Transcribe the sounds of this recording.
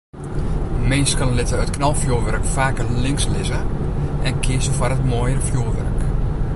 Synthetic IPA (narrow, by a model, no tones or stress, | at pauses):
mɪnskɑnlɪtəətkʰnalˠfjuːʋɛrkfaːkəlɪŋkslɪzəʔɛnkʰɪsəfarətmoːjərəfjuːʋɛ̰rk